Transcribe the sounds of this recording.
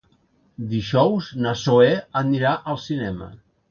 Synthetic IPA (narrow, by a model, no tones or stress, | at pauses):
d̪iʒɔwznəsoeənnːiɾaʔəlˠsinɛmə̰